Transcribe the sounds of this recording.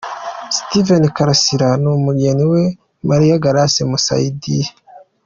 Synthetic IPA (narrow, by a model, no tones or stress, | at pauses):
stivenkaɾasiɾanumuɡeniwe | maɾijaɡaɾasemusa̰idi